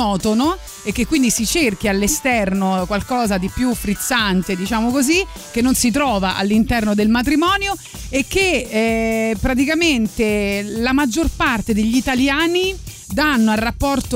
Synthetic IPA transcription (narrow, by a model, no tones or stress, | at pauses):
ɔːt̪ono | ekːekːwind̪isit͡ʃerk̟ialːest̪ɛrnokwalkɔːzad̪ipjufːɾit̪sːant̪ed̪it͡ʃaːmokozi | k̟enːonsit̪̬ɾɔːvaʔa̰lːint̪ɛrnod̪elmat̪̬ɾimɔːnjo | ekːe | pːɾat̪̬ikament̪elamad͡ʒːorpart̪ed̪eʎːit̪aljaːni | d̪anːoalrːapːɔrt̪o